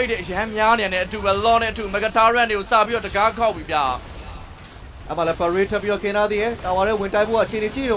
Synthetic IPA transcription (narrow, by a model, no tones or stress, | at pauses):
etdɛʔəjãmjanãnɛ̰̃ʔətubɛlɔ̃nɛ̰ʔətumɛkətʰaɹãneɡosa̰biɾɔdəɡakʰaʊpːibja | ʔɛ̰maɛpəɹwetʰɛpːiɔkʰɪ̃nad̪ðejɛt̪awaɾɛwɪ̃ntãɪpboaʔət͡ɕʰenet͡ɕʰḭõ